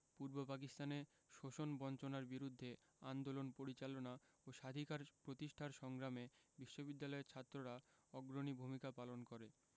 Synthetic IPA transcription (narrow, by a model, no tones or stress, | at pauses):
puɾbopak̬ist̪ane | ʃoʃonbɔnt͡ɕonaɾbiɾud̪ʱːe | and̪olonpoɾit͡ɕalona | oʃad̪ʱikaɾpɾot̪iʃʈʰaɾʃɔŋɡɾamebiʃːobid̪ːalɔeɾt͡ɕʰat̪ːɾoɾa | ɔɡɾonibʱumikapalonkoɾe